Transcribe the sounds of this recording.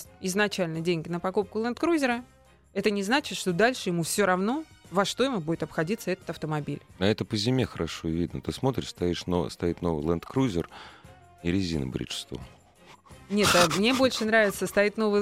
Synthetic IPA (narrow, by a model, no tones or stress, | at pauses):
ɪznɐt͡ɕælʲnədʲenʲɡʲɪnəpɐkup̚kʊlˠənt̪kɾuzʲɪɾə | ɛt̪ənʲɪznat͡ɕɪt̪ʂt̪o̞d̪alʲʂɨjɪmufsʲoɾɐvno̞vɐʂt̪o̞jɪmʊbudʲɪt̪ɐpxɐdʲit̪səɛt̪ə̥t̪ɐft̪əmɐbʲilʲnɐɛt̪əpəzʲɪmʲexəɾʔɐʂovʲid̪nə̰t̪ɨsmo̞t̪ɾʲɪ̰ʂst̪ɐiʂno̰st̪ɐit̪no̞vɨjlˠənt̪kɾuzʲɪr | iɾʲɪzʲḭnɨ̰bɾʲḭt͡ʂst̪vo̰ | nʲet̪ɐmnʲe̞bo̞lʲʂɨnɾavʲɪt̪səst̪ɐit̪ʲno̞vɨj